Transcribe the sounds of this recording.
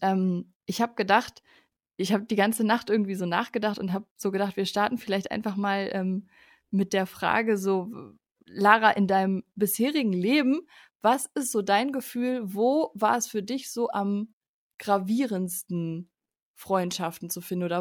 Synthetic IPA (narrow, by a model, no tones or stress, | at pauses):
ʔɛːm | ʔɪçhaːbəɡ̥ədaχt | ʔɪçhaːbədiːɡant͡sənaχtʔɪɐɡŋ̩tv̥iːzoːna̰ːχɡ̥ədaχtʊntɦaːbz̥oːɡədaχtv̥iːɐʃtaɐtn̩fɪlaɪçtʔa̰ɪnfaχmaːlʔɛːmː | ɪt̚d̥eːɐfʁ̥a̰ːɡəzoː | laːʁaʔɪndaɪnəmbɪsheːʁɪɡŋ̩leːbm̩ | vasɪstz̥oːdaɪnɡəfyːlvoːvaːɐɛsfyːɐdɪçz̥oːʔam | ɡ̥ʁaviːʁənstn̩ | fʁ̥ɔʏntʃaftn̩t͡sufɪndn̩oːdɐ